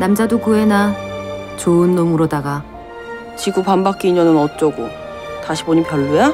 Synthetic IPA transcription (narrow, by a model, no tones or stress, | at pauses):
namd͡ʑadokue̞na | t͡ɕoɯnːomɯɾodaɡa | t͡ɕiɡupambak͈iːɲʌnɯnʌt̚t͡ɕ͈ʌɡo | taɕʰi̥boɲipjʌɭːuja